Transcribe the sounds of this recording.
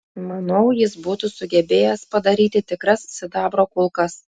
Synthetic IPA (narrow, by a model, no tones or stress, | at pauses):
mɐnɐʊjɪsbuːt̪uːsʊɡʲɛbʲeːjɛspɐd̪ɐɾʲiːt̪ʲɪt̪ʲɪkɾɐssʲɪd̪ɑːbɾoːkʊlˠkɐs